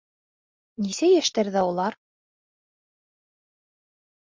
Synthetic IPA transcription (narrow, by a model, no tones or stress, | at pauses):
nisæjæʃt̪æɾðæulˠɑɾ